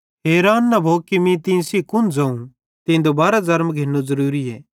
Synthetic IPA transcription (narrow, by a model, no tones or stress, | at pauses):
ɦeːɾaːnːɐbʱoːkimĩt̪ĩsikʊnd͡zɐ̃ːũ | t̪ĩːd̪obaːɾazɐɾmɡʱenːozɐɾuːɾiɛː